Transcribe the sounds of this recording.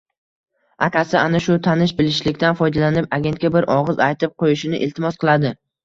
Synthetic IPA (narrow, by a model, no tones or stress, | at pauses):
akʲʰasɪanaʃʊt̪ʰanɪʃbɪlɪʃlɪkʲt̪anfɒjd̪alanɪpaɡʲe̞nt̪̚kʲabɪɾʔɒʁɨzajt̪ʰɪp̚qʰojɪʃɪnɪʔɪlt̪ʰɪmɒsqʰɨlˠad̪ɪ